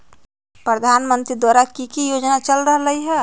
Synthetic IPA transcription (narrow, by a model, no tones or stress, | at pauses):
pɾəd̪ʱaːnmə̃nt̪ɾid̪waɾakikijod͡ʒnat͡ʃəlɾəɦləɦiɦɛ